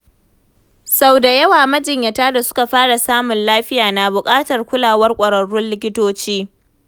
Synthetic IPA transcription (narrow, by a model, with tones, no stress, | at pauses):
sa˦wda˨jɐ˦waː˨mɐ˦d͡ʒɪ˨ɲjɐ˨taː˦da˨sʊ̥˦ka˨ɸaː˦ɽa˨saː˦mʊ˨nlaː˦ɸɪ˦jaː˨na˨bʊ˨kʼaː˦tɐ˨rkʷʊ˦laː˨wɐ˦rkʷʼɐ˨ɽɐ˨ɽːʊ˦nlɪ˦k̬ʲɪ˦toː˦t͡ʃiː˦